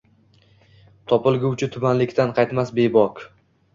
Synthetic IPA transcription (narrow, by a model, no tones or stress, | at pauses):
t̪ʰɒpɪlˠɡʲʊwt͡ʃʰɪt̪ʰʊbanlɪkʲt̪ʰanqʰɑjt̪masbe̞bɒk